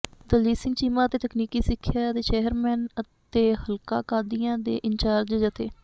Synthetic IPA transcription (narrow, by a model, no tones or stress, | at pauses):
d̪əliːsɪ̃ŋɡt͡ʃiːmaːt̪eːt̪əkniːkiːsɪkʰːjaːət̪eːt͡ʃɛːəɾmɛːnə | t̪eːhəlka̰ːkaːd̪iːãːd̪ḛːʔɪɲt͡ʃaːɾd͡ʒd͡ʒət̪ḛː